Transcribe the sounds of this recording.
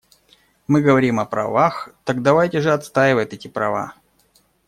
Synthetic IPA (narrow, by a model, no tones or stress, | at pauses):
mɨɡəvɐɾʲimɐpɾɐ̰vaxt̪aɡ̚d̪ɐvajtʲɪʐɨɐt̪st̪ajɪvəjt̪ɛtʲɪpɾɐ̰va̰